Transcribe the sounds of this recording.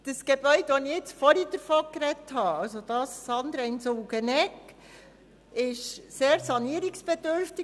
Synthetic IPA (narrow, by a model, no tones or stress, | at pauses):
d̥əsɡ̥eb̥œʏd̪ʋɔniɪt͡sfɔɾid̥̪əɾfɔkɾɛthɑɑwsod̥ɑsːɑnd̪ɾɛɪnsoːɡ̥ənɛkː | ɪʃseːɾsɑniəɾiksb̥ed̥̪øɾft̪i